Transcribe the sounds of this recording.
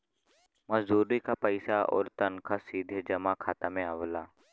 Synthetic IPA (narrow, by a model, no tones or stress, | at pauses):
məzd̪uːɾikapəɪsaɔ̰ːɾt̪ənkʰasiːd̪ʱed͡ʒəmakʰaːt̪amẽaʋlaː